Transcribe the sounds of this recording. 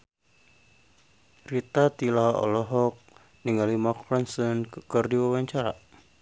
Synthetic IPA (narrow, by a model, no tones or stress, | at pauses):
rit̪at̪ilaɔ̰lɔɦɔk̚ | niŋalimakɾɔnsənkɨrdiwawaɲt͡ʃaɾa̰